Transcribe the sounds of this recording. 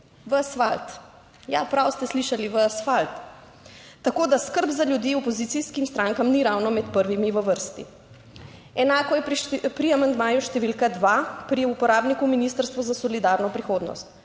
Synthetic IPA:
ʋəasfalt̪ | japɾawst̪ɛsliʃaliʋəasfalt̪ː | akoːd̪askəɾbzaljud̪jiɔpɔzit̪siskimst̪ɾaːŋkamniɾawnɔmɛt̪pəɾʋimiʋəʋəɾst̪ḭ | ɛnaːkɔjɛpɾiamand̪maːjuʃt̪ɛʋilkad̪ʋapɾiupɔɾaːbnikuminiːst̪əɾst̪ʋuzasɔlid̪aːɾnɔpɾixoːd̪nɔ̰st̪

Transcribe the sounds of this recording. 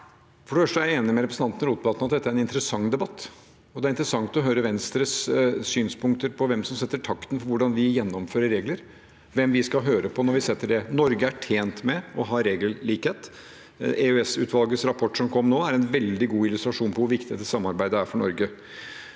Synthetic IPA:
fɔɖɛfœʂʈəæɾjeːnɪmɛɾɛpɾsn̩t̪ɑnt̪nɾuːt̪̚bɑːt̪nɑt̪̚d̪ɛt̪ːæɾɛnɪnt̪ɾəsɑŋːd̪ɛbɑt̪ː | ɔd̪ɛæɾɪnt̪ɾəsɑŋt̪ɔɦøːɾəʋɛnst̪ɾəssyːnspʰʊŋkt̪əɾpʰɔʋɛmsɔmsɛt̪ːəʈʰɑkt̪n̩fɔɾʋʊɖɑnʋɪjɛnːɔmføːɾəɾeːɡləɾ | ʋɛmʋɪskɑɦøːɾəpʰɔnɔɾʋɪsɛt̪ːəɖɛnɔɾɡəæʈʰeːnt̪mɛɔɦɑːɾeːɡəlliːkheːt̪ | eøɛsʉːt̪ʋɑlɡəsɾɑpʰɔʈːʂɔmkʰɔmːnoːæɾɛnʋɛld̪ɪɡuːɪlʉst̪ɾɑʂuːnpʰɔʋʊɾʋɪkt̪ɪɡ̪ɛd̪əsɑmːɑɾbæɪd̪əæɾfɔɳɔɾɡə

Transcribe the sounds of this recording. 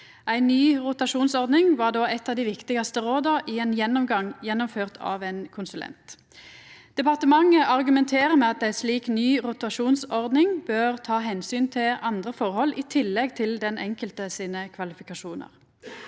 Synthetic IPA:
ʔæɪnːyːʁʊt̪ɑʃuːnsɔʁd̪nɪŋʋɑːʁd̪oːʔɛt̪ːɑʋd̪iːʋɪkt̪ɪɡɑst̪əʁoːd̪ɑʔiɛnjɛnːɔmɡɑŋjɛnːɔmføːʁt̪ʰɑ̰ːʋenkʰʊnsʉlʔɛ̰nt̪ | d̪̥ɛpɑʁt̪əmɑŋːəʔɑʁɡʉmɛnt̪ʰeːʁəmɛɑt̪̚d̪æɪsliːknyːʁʊt̪ɑʃuːnsɔʁd̪nɪŋbøːʁt̪ʰɑːɦɛnsyːnt̪ʰɪlɑnd̪ʁəfɔʁhɔlːɪːt̪ʰɪlːɛɡt̪ʰɪld̪ɛnʔɛŋkəlt̪əsiːnəkʰʋɑlɪfɪkɑʂuːnə̰ʁ

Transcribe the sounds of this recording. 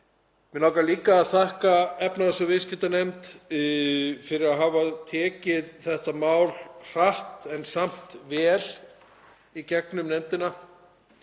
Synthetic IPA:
mɪnawkaliːkaːðθahkaɛpnaðɛsʏvɪscɪt̪anejmt̪ | fɪɾɪɾaðɦaːvaðt̪ʰɛːcɪðθɛht̪amaːwlr̥aht̪ɛnsam̥t̪vɛːl | icɛknʏmnejmt̪ɪna

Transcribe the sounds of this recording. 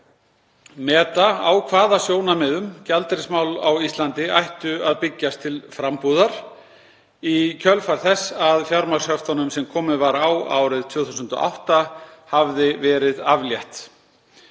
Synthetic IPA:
mɛːt̪aawkʰvaːðasjoːwnamɛðʏmcalt̪ɾɪsmaːwla̰wist̪lant̪ɪajht̪ʏaðpɪcːast̪ʰɪlfɾampuːðaɾ̥ | icʰœlfaɾ̥θɛsːaðfjaɾmashœft̪anʏmsɛmkʰɔːmɪðvaɾawa̰ːwɾɪðt̪ʰvʏːθus̬ənt̪ɔ̰ʔa̰wht̪ahavðɪvɛːɾɪðavljɛht̪

